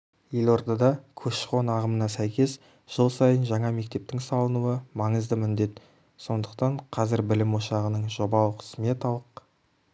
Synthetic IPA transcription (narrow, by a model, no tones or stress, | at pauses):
je̞lo̞ɾd̪ɑd̪ɑkʲʰɵʃqo̞nɑʁəmənɑsæjkʲe̞s | ʒ̥əlˠsɑjənʒɑɴɑme̞k̚t̪e̞p̚t̪ɪŋsɑlˠənuwəmɑɴəzd̪əmɪnd̪e̞t̪ | so̞nd̪əqt̪ɑɴqʰɑzɪɾbɪlɪmwoʃɑʁənəɴʒo̞bɑlˠəqʰə̥sme̞t̪ɑlˠəq